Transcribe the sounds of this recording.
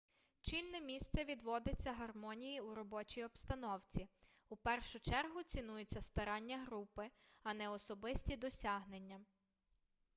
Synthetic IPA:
t͡ʃilʲnɛmʲist̪sɛʋʲid̪ʋɔd̪et͡sʲːɐɦɐrmɔnʲijiuɾɔbɔt͡ʃʲijɔpst̪ɐnɔwt͡sʲi | upɛrʃʊt͡ʃɛrɦʊt͡sʲinujʊt͡sʲːɐst̪ɐɾɑnʲːɐɦɾupɪɐnɛɔsɔbɪsʲtʲid̪ɔsʲɑɦnenʲːɐ

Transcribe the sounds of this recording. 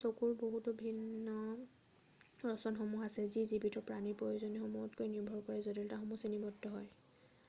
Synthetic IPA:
sokuɹboɦutɔbʱinːɔ | ɹɔsɔnxɔmuɦasɛzizibitʰɔpɹanipɹojozɔnɛxɔmuɔtkojniɹbʱɔɹkɔɹɛzɔdiltaxɔmusenibʱɔtːɔɦɔj

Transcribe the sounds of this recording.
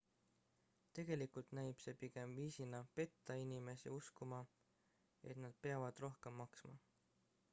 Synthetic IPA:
t̪e̞ɡ̥e̞likult̪næjb̥se̞piɡ̥e̞mviːsinɑpe̞t̪ːɑinime̞sḭuskumɑ | e̞̰t̪nɑd̪̥̚pe̞ɑvɑd̪̥ro̞hke̞mːɑksmɑ

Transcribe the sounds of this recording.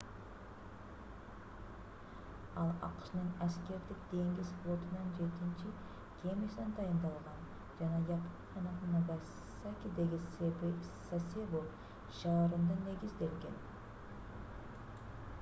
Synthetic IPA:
ɑlˠɑ̰qʃnəɴæskʲe̞ɾd̪ɪk̚d̪̥e̞ŋɡʲɪsflˠot̪ənɑnʒe̞t̪ɪnʃɪ | kʲʰe̞mesnend̪ɑjənd̪ɑlˠʁɑn | ʒ̥ɑnɑjɑpʰunqʰɑnɑnɑɡa | sakʲid̪eɡʲɪ | sasebo | ʒɑɾənd̪əne̞ɡʲɪzd̪e̞lɡʲe̞n

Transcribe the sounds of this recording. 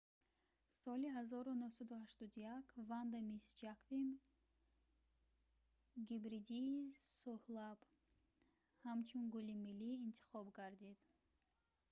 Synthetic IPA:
sɔliɦazɔɾunuhsad̪uhaʃt̪ɔd̪ujakʰvand̪amisd͡ʒakvim | ɡibɾid̪iːsuhlab | hamt͡ʃʰunɡulimilːiːnt̪ʰi̥χɔbɡaɾd̪id̪̥

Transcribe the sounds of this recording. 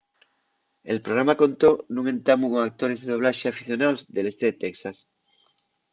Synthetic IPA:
elpɾoɾamakõ̞nt̪onũŋẽ̞nt̪amuɣoak̚t̪oɾezðeðo̞β̞laʃeafiθjo̞nawzðele̞st̪eðet̪eksas

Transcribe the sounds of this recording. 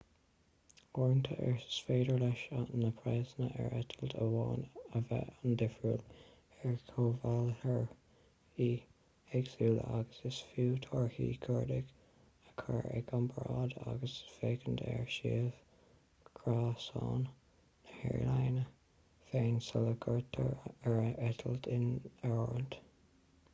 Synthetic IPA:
ɔɹntʰəʔɛɹsfeːdəɹlɛʃanəpʰɹɛznəʔɛ̰ɹɛtʰəldəwɑːnəvɛandɪfɹul | ɛɹkʰoːvalhəɹ | iː | ɛɡsuːla̰ɡəsɪsfuːtʰɔɹhiːkʰəɹdɪɡ̥ | əkʰaɹɛ̰ɡʰɑnbɹɑːda̰ɡəsfeːkəndɛ̰ɹʃiːəv̥ | kkʰɹɑːsɑːnː | əhɛ̰ɹilajnə | feːnsələɡʰəɹtʰəɹɛɹɛtʰəltɪnɛɹnd̥

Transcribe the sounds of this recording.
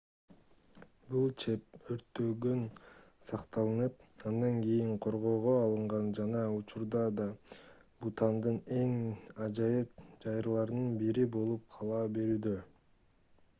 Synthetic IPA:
bulˠt͡ʃʰe̞p̚øɾt̪ːøɡøn | sɑqt̪ɑlˠɯnɯpɑnd̪ɑŋɡijiɴqʰo̞ɾʁo̞ːʁo̞ɑlˠɯɴʁɑnd͡ʒɑnɑut͡ʃuɾd̪ɑd̪ɑ | but̪ɑnd̪ɯne̞ŋɑd͡ʒɑjɯp̚d͡ʒɑjɾlˠɑɾnɯnbiɾibo̞lˠup̚qʰɑlˠɑːbe̞ɾyːd̪ø

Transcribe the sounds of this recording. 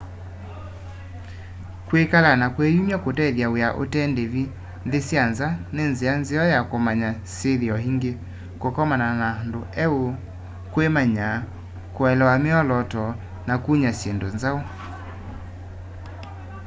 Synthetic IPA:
kwekalanakwejumjakotɛðjaweaʔo̰tɛndeβi | nðesjanzanenzeanzeɔjakomaɲaseðeɔɦiŋɡe | kokɔmananandoɛo | kwemaɲa | koɛlɛwameɔlɔtɔ | nakuɲasjendonzao

